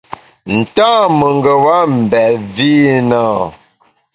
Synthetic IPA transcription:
n̩˨taː˦mə˨ŋ˦ɡə˨wa˦m̩˨bɛ˨vi˦na˦˨

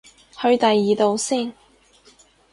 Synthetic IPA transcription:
hɵ˧ɥt̪ɐ˨jːiː˨t̪o˨˧wsiː˥˩n

